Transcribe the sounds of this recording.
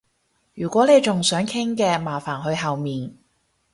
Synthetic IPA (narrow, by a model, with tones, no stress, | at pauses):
jyː˨˩kʷɔː˨˥ne˨˧jt͡sʊ˨ŋsœː˨˥ŋkʰɪ˥ŋkɛː˧maː˨˩faː˨˩nɦɵ˧ɥɦɐ˨wmiː˨˩n